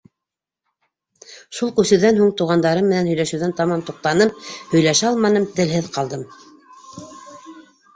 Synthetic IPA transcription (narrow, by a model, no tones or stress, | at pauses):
ʃulˠkʉsɘ̆wðænhuŋt̪uʁɑnd̪ɑɾɤmːɘ̆nænhɵ̆jlæʃʉ̆ðænt̪ɑmɑmt̪uq̚t̪ɑnɤmhɵ̆jlæʃæɑlˠmɑnɤmt̪ɘ̆lɦɘðqɑlˠd̪ɤm